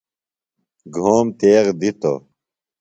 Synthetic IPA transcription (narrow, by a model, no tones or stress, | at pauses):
ɡʱoːmt̪eːʁd̪it̪o̰